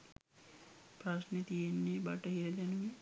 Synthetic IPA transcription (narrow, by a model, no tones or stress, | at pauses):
pɾasnet̪ijenːebɐʈəɦiɾɐd̪ɛnuʋe